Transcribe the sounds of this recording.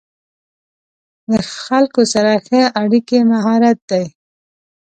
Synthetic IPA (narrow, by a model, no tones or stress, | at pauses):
d̪əxalkosaɾaxəaɽikemaɦɑɾat̪̚d̪aj